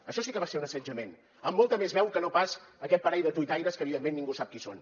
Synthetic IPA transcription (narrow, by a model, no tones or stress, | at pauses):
əʃɔsikəβaseunəsəd͡ʒəmen | əmːolˠt̪əmezβɛwkənopasəkɛt̪̚pəɾɛʎðət̪uit̪ajɾəskəβiðemːenːiŋɡusap̚kiso̰n